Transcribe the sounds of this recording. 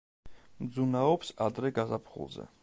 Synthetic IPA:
md̪zunaɔpsad̪ɾɛɡazapʰχṵlˠzɛ̰

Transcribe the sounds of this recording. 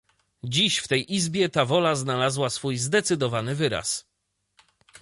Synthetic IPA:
d͡ʑiɕft̪ɛjʔizbʲjɛt̪avɔlaznalazwasfujzd̪ɛt̪sɘd̪ɔvanɘvɘɾa̰s

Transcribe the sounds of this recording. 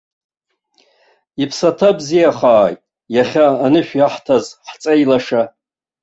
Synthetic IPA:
ipʰsatʰabzijaχaːjtʼ | jaχʲaːnɨʃᶣjaħtʰazħt͡sʼajlaʂa

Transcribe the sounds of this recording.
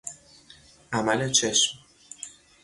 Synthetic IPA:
ʔæmælet͡ʃʰe̞ʃm

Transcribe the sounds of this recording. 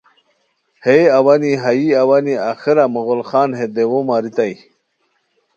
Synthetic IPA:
heawaniɦajiawaniaxiɾamuɣolχaːnɦed̪ewomaːɾit̪aj

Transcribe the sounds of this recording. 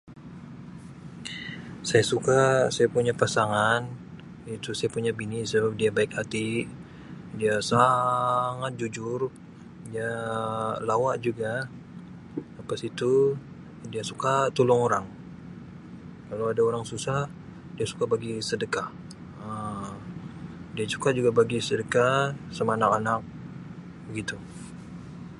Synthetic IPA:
sajasukasajapuɲapasaŋan | it̪usajapuɲabinisəbap̚diabaɪkat̪i | diasa | ŋat̪̚d͡ʒud͡ʒʊr | dia | lawaʔd͡ʒuɡa | apasit̪u | diasukat̪ulʊŋoɾaŋ | kalawadaoɾaŋsusah | diasu̥kabaɡisədəka | ə | diasu̥kad͡ʒuɡabaɡisədəkasəmanakanak̚ | bəɡit̪u

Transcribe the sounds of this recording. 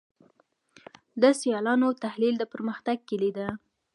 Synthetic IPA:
d̪əsijɑlɑnot̪ahlild̪əpəɾməxt̪aɡ̚kelid̪a

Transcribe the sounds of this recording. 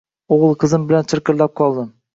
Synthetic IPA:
oʁlˠqʰɨzɪmbɪlant͡ʃ̪ʰɪɾkʲɪllap̚qʰɒlˠd̪ɪm

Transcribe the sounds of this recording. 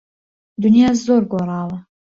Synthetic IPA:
d̪ʊnijaːzzoːɾɡoːɾˤɑːwɐ

